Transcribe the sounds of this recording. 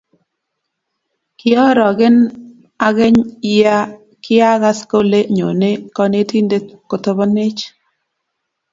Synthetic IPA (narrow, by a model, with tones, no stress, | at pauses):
kɪ˦ɔ˦ɾɔ˨ɡɪ˦n | a˦ɣɛ˦ɲɪja˦ | kɪ˦a˦ɣa˦sko˦le˦ɲo̰˨ne˦kɔ˦ne˦ti˦nde˦ko˨t̪o˦bɔ˦nɪ˦t͡ʃ